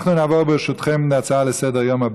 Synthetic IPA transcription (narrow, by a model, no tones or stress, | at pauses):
χnunavɔbəʃʊtχɪmndat͡saːlˠəsɛdəʁjɔmab